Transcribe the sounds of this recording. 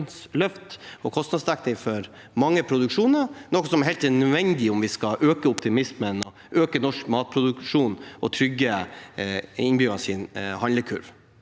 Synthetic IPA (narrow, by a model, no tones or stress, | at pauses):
nslœft̪ɔkʰɔst̪nɑd̪st̪ækt̪ɪfɔɾ | mɑŋːəpʰɾʊd̪ʉkʂuːnəɾnɔkːɔsɔmɛɾɦɛlt̪ɛnœʋɛnd̪ɪʊmʋɪskɑʔøːkəɔpt̪ɪmɪsmənɔ | øːkənɔʂkmɑːt̪̚pʰɾʊd̪ʉkʂuːnɔt̪ʰɾʏɡːə | ɪnbjʏɡɑsɪnhɑnləkʰʉ̰ɾʋ